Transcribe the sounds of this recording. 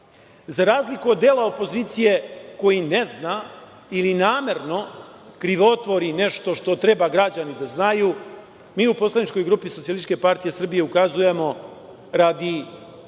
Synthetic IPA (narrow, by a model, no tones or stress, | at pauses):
zaɾaːzlikuod̪ːeːlˠaopo̞ziːt̪sije̞ko̞jineznaː | ilinaːme̞ɾno̞ | kɾiʋot̪ʋo̞ɾine̞ʃt̪o̞ʃt̪o̞t̪ɾe̞baɡɾad͡ʑanid̪aznaju | miːupo̞slˠanit͡ʃko̞jɡɾuːpisot̪siolikepaɾt̪ije̞sr̩bije̞ukazuje̞mo̞ | ɾad̪i